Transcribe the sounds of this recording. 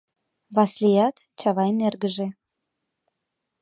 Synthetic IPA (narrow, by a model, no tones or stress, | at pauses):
βɑslijɑt̪ | t͡ɕɑβɑjnerɣəʒĕ